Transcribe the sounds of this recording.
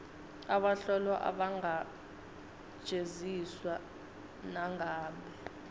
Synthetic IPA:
aɓaɬɔlɔʔa̰ɓaŋa | ʒ̥ʱeziswa | naŋʱaːɓɛ

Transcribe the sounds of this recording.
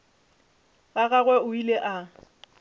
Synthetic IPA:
ɣaɣaɣwɛʊileʔa

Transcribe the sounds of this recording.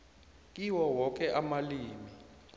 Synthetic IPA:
k̬ʼiwɔwɔk̬ʼɛʔamaliːmi

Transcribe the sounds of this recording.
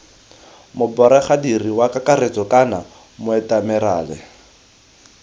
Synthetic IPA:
mʊbɔɾɛχadiriwakakaret͡sɔkʼana | mʊɛtamɛɾa̰ːlɛ̰

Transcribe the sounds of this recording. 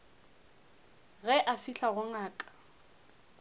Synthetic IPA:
ɣɛʔafiɬaɣʊŋaːkʼḁ

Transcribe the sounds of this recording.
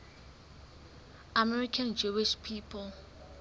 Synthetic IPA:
amɛɹikʰand͡ʒuwiʃpʰipʰɔl

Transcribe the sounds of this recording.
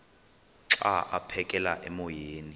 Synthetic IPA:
ǁaʔapʰɛkʼɛla̰ʔɛmɔjeːni

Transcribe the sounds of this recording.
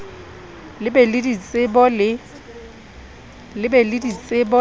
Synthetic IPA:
lɪbɛlɪdit͡sʼɪbɔlɪ | lɪbɛlɪdit͡sʼɪbɔ

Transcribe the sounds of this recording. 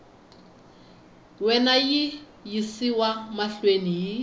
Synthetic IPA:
wɛnaji | jisiwamaɬweniji

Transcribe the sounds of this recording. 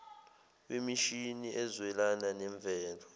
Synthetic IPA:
wemiʃiniʔɛzwɛlananɛɱb̪vʱɛːlɔ

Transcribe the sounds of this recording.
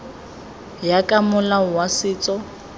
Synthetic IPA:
jakʼamʊlawasɪːt͡sʼɔ

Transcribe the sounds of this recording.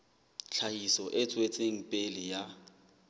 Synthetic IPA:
t͡ɬʰaisɔʔɪt͡sʼwet͡sʼeŋ̩pʼelɪja

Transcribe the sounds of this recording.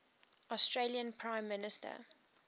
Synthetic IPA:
ɔstʰɹeliə̃npʰɹãɪ̃mːɪnɪstʰə̰

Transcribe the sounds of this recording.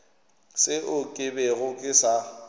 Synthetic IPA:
sɪʔʊkʼɪbɛɣʊkʼɪsa

